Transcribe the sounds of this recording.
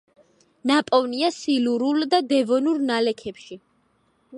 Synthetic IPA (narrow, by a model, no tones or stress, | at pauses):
napʼɔvniasiluɾuld̪ad̪ɛvɔnuɾnalɛkʰɛpʃi